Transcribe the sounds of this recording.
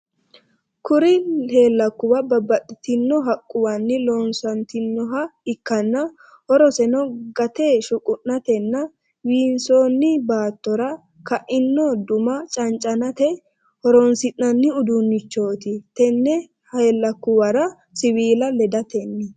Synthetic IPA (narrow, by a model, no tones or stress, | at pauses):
kʊɾɪheːlːɐkːʊwɐbɐbɐtːɪt̪ɪnːɔɦɐkʼːʊwɐnːɪloːnsɐnt̪ɪnːɔɦɐɪkːɐnːɐ | hɔɾɔsɛnɔɡɐt̪eːʃʊkʼʊʔnɐt̪ɛnːɐ | wiːnsoːnːɪbaːt̪ːɔɾɐ | kɐʔɪnːɔd̪ʊmɐt͡ʃʼɐnt͡ʃʼːɐnɐt̪ɛ | hɔɾɔnsɪnːɐnːɪʊd̪unːɪt͡ʃːo̞ːt̪ɪt̪ɛnːɛ | heːlːɐkːʊwɐɾɐ | sɪwiːlɐlɛd̪ɐt̪ɛnːɪ